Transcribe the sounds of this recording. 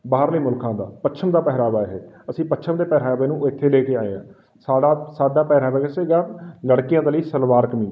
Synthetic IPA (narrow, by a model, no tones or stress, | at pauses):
baːɾləiːmʊlkʰãːd̪a̰ːpətːt͡ʃʰəmd̪aːpɛɦɾaːʋaːɦeːəsĩːpətːt͡ʃʰəmd̪eːpɛːɾaːʋeːnũːɪt̪ʰːeːleːkeːaːḛːã̰ː | saːɖaːsaːɖaːpɛːɾaːʋeːɡaseɡaːləɽkɪjãːd̪aːləiːsəlʋaːɾkəmĩː